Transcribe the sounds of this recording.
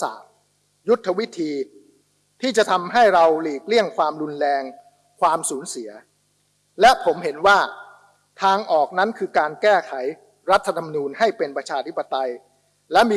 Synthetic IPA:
sa̰ː˨˩t̚ | ju˦˥t̪ʰːa˧wi˦˥t̪ʰiː˧ | t̪ʰiː˥˩t͡ɕa˨˩t̪ʰa˧mɦa˥˩jɾa˧wliː˨˩k̚li˥˩əŋkʰwaː˧mɾu˧nlɛː˧ŋ | kʰwaː˧msuː˩˦nsi˩˦ɐ | lɛ˦˥pʰo˩˦mhe˩˦nwaː˥˩ | t̪ʰaː˧ŋʔɔː˨˩k̚na˦˥nkʰɯː˧kaː˧nkɛː˥˩kʰa˩˦j | ɾa˦˥t̪ʰːa˧t̪ʰa˧ma˧nuː˧nha˥˩jpe˧npɾa˧t͡ɕʰaː˧t̪ʰi˦˥pːa˧t̪a˧j | lɛ˦˥miː˧

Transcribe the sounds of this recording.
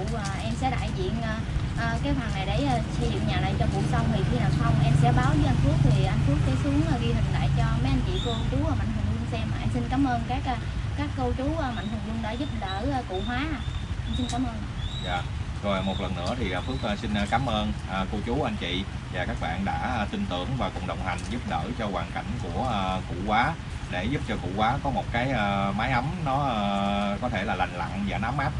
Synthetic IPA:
əː˨˩ʔɛ˧msɛ̰˧˥ɗa̰ː˧˨jzḭ˧˨ənʔəː˧ | ʔəː˨˩kaː˨˦jhwaː˨˩nna˨˩jɗe˧˩ʔaː˨˩sə˧zṵ˧˨ŋ͡mɲaː˨˩la̰ː˨jt͡ɕɔ˧kṵ˧˨sa˧wŋ͡mt̪i˨˩xi˧naː˨˩wsa˧wŋ͡mʔɛ˧msɛ̰˧˥ɓaː˨˦wzəː˨˦jʔa˧jŋ̟fu˦˥ək̚t̪ʰi˨˩ʔa˧jŋ̟fu˦˥k̚t̪ə˨˦jsu˨˦əŋʔaː˨˩ɣi˧t̪ʰɨ˨˩k̚la̰ː˧˨jt͡ɕɔ˧mə˨˦ʔa˧jŋ̟t͡ɕḭ˧˨kə˧t͡ɕu˨˦əː˧˩ma̰˧˨ŋ̟t̪ɨ˨˩ŋzʊ˧ŋsɛ˧mːaː˨˩ʔɛ˧msi˧nkaː˨˦mʔəː˧nkaː˦˥k̚ːkaː˦˥kːə˧wt͡ɕu˨˦ə˨˧˩ma̰˧˨jŋ̟hʰɨ˨˩zʊ˧ŋ͡mɗəː˨˦zu˦˥p̚ɗəː˧˩əː˧˩kṵ˧˨ɦwaː˨˦haː˨˩ʔa˧msi˧nkaː˨˦mʔəː˧n˨za̰ː˧˨zɔ˨˩mo˨˩t̚lə˨˩nːɨ̰˧˥ət̪ʰi˨˩ʔəː˨˩fɨ˦˥ək̚əː˧si˧n̟˧kaː˨˦mʔəː˧nʔəː˨˩kə˧wt͡ɕu˨˦ʔa˧jŋ̟t͡ɕḭ˧˨ | vaː˨˩kaː˦˥k̚ɓa̰ː˧˨nɗa̰ː˧˥˧t̪wï˧nt̪ɨ̰˧˩əŋvaː˨˩kʊ̰˨˩ŋ͡mɗə˨˩wŋ͡mha˨˩ŋ̟zu˦˥p̚ɗə̰ː˧˩t͡ɕɔ˧kwaː˨˩nka̰˧˩jŋ̟ku˧˩əəː˧˩kṵ˧˩˨kwaː˨˦ | ɗe˧˩zu˦˥p̚t͡ɕɔ˧kṵ˧˩kwaː˨˦kɔ˨˦mo˨˩t̚kaː˨˦jʔəː˧maː˨˦jʔə˨˦mnɔ˨˦əː˧kɔ˨˦t̪ʰe˧˩laː˨˩la˨˩ŋ̟la̰˧˨ŋza̰ː˨˩na˨˦mʔaː˦˥p̚

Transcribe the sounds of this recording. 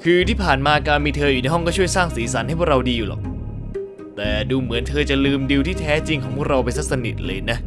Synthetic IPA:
kʰɯː˧t̪ʰiː˥˩pʰaː˨˩nmaː˧kaː˧nmiː˧t̪ʰɤː˧juː˨˩na˧jɦɔ˥˩ŋkɔː˥˩t͡ɕʰu˥˩jsaː˥˩ŋsiː˩˦sa˩˦nha˥˩jpʰu˥ɾa˧wdiː˧ju˨˩lɔ̰ː˨˩k̚ | t̪ɛː˨˩duː˧mɯ˩˦ənt̪ʰɤː˧t͡ɕa˨˩lɯː˧mdi˧wt̪ʰiː˥˩t̪ʰɛː˦˥t͡ɕi˧ŋkʰɔː˩˦pʰu˥˩ək̚ɾa˧wpa˧nsa˦˥k̚sa˧nḭ˨˩t̪̚lɤː˧jna˦˥

